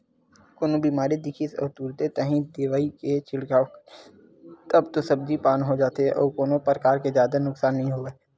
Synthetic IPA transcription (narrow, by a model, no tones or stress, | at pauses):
koːnobiːmaːɾid̪ɪkʰisɔ̰ːɾt̪uːɾt̪et̪ɐɦĩd̪eːʋaːiket͡ʃɪɽkaː | t̪ɐbt̪osɐbd͡ʒipaːnɦod͡ʒaːt̪eɛʔɔ̰ːɾkoːnõpɾəkaːɾkezjaːd̪anʊksaːnːɐɦĩɦoːeː